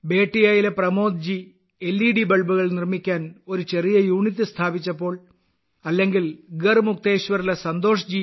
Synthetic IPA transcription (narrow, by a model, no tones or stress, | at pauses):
beːʈːijaːjile̞prɐmo̞ːd̪̚d͡ʑi | e̞lːiːɽibɐɭbuɣɐɭnirmikʲːaːno̞ɾut͡ɕe̞rijɐjuːɳit̪̬ːɨst̪ʰaːbit͡ɕːɐpːo̞ːɭ | ɐlːe̞ŋɡilɡɐrmuk̚t̪e̞ːɕʋɐɾilesɐnd̪o̞ːʂɐd͡ʑi